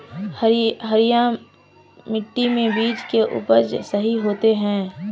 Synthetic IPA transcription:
hɦəɾɪjã | mɪʈːimẽbiːt͡ʃkeʔʊ̰ːpəɾd͡ʒsɐɦiɦoːt̪eɦɛ̃ː

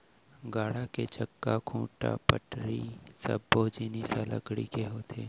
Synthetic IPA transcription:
ɡaːɽaket͡ʃəkːakʰũːʈa̰pə̰ʈɾisɐ̰bːoːd͡ʒiːnisalə̰ɡɽḭkeɦoːt̪ʰḛː

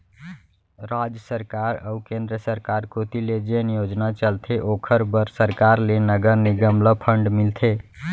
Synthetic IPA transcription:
ɾad͡ʒjəsəɾkaɾəukẽnd̪ɾəsəɾkaɾkot̪iled͡ʒenijod͡ʒnat͡ʃəlt̪ʰeʔokʰəɾbəɾsəɾkaɾlenəɡəɾniɡəmləpʰəɳɖmilt̪ʰe

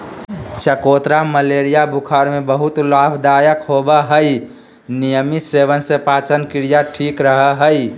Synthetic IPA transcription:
t͡ʃʰəkot̪ɾaməleɾijabʱukʰaɾmebəɦut̪labʱd̪ajəkɦobəɦəi | nijəmisebənsepaːt͡ʃənkɪɾijaʈʰikɾəɦəɦəj

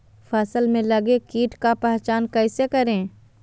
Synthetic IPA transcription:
fʰɛsəlmẽlɐɡekiːʈkapɛɦt͡ʃaːnkɛːɪsekɐɾẽː

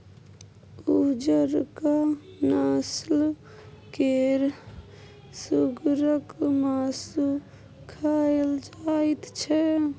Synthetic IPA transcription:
ud͡ʒəɾkanaːsl | keɾ | suɡɾəkmaːsu | kʰaeld͡ʒait̪t͡ʃʰɛ

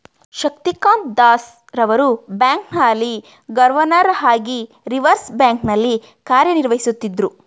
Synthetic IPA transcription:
ʃɐk̚t̪ikaːnt̪d̪aːs | ɾɐʋɐɾubjaːŋknaːlːi | ɡɐɾʋɐnɐɾɦaːɡi | ɾiʋɐɾsbjaːŋknɐlːi | kaːɾjɐniɾʋɐɦisut̪ːid̪ɾu

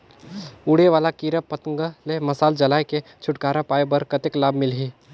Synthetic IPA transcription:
uːɽeʋaːlakiːɾəpɐt̪ə̃ŋɡəlemɐsaːld͡ʒɐlaːjket͡ʃʰʊʈkaːɾapaːebɐɾkət̪ɪklaːbmɪlɦiː

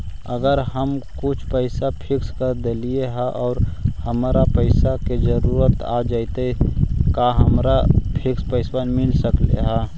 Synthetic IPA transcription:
ə̰ɡəɾɦəmkʊt͡ʃʰpəɪsapʰɪkskəɾd̪elieɦaʔɔːɾhəmaɾapəɪsaked͡ʒəɾuːɾət̪ad͡ʒait̪ekaɦəmɾapʰɪkspəɪswaːnmɪlsəklḛɦaː

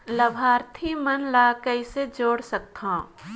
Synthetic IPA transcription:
lɐbʱaːɾt̪ʰimənlaːkəised͡ʒoːɽsək̚t̪ʰõː

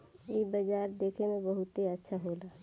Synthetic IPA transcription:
ebəd͡ʒaːɾd̪eːkʰemẽbəɦʊt̪eətːʃʰaɦolaː

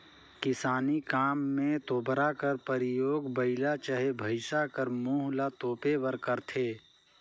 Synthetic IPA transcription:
kɪsaːnikaːmːẽt̪oːbɾakəɾpəɾɪjoːɡbəɪlat͡ʃəɦebʱəɪsakəɾmuːɦlat̪oːpeʋəɾkəɾt̪ʰeː

